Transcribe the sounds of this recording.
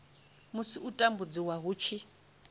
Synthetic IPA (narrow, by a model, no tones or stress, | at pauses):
musiutʼambud͡ziwaɦut͡ʃʰi